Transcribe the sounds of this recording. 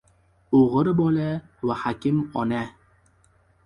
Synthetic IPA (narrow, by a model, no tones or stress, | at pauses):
oʁɨɾbɒlavahakʲɪmɒna